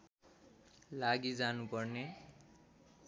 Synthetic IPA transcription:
laɡid͡zanupʌrne

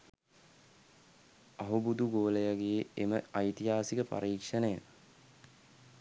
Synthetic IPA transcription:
aɦubud̪uɡoːləjaɡeːeməɐjt̪iɦaːsikəpa̰ɾiːkʂɐnejə

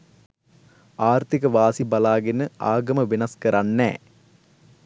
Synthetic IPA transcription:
aːrt̪ikɐʋaːsibɐlaːɡenɨʔaːɡɐməʋinɐskɐɾɐnːɛ̰ː

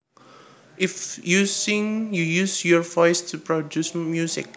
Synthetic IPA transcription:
ʔɪfjusĩŋjujusjɔɹvɔjstʰupɹodjusmjusɪ̰k̚

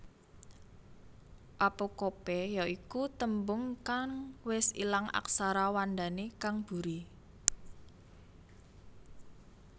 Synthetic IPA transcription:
ʔapokopɛjaikut̪əmbʊŋkaŋwɪsḭlaŋa̰ksaɾawand̪a̤nekaŋb̥ṳɾi

